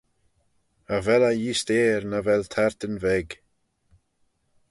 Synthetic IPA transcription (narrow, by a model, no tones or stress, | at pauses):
əvɛlajiːst̪eːɾnavɛlt̪ʰaɹt̪ənvɛɡ